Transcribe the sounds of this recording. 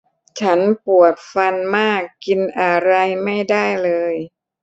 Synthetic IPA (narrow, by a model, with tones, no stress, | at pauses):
t͡ɕʰa˦˥npu˨˩ət̪̚fa˧nmaː˥˩kːi˧nʔa˧ɾa˧jma˥˩jda˥˩jlɤː˧j